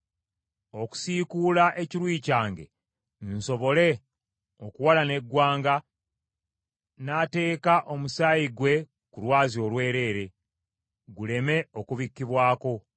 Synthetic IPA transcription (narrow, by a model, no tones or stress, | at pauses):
o̞ku̥sikuːlaʔe̞ciɾwiːcaːŋɡe̞̰ | n̩so̞βo̞le̞ | okuwalane̞ɡwaːŋɡa | naːte̞ːkaʔo̞musaːjiɡwe̞ | kulwaːzio̞lwe̞ːɾe̞ːɾe̞ | ɡule̞me̞okuβikːiβwaːko̞